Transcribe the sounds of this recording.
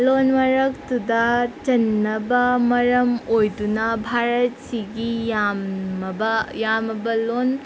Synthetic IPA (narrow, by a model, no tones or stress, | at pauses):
lonmɐɾɐk̚tudɐt͡ʃɐnːɐbɐmɐɾɐmojdunɐbʱaɾɐt̚siɡijamɐbɐjamɐbɐlon